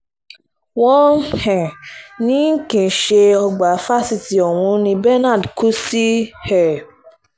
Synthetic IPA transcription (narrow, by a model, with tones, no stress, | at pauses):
wɔ̃˦hɛ̃˨nĩ˨˦ŋ̩˦kĩ˨ʃe˧ɔ˧ɡ͡ba˨˦fa˦si˦ti˨ɔ˨w̃ũ˧˦nĩ˧bɛ˦nã˦˨dkʰu˦si˦hɛ˨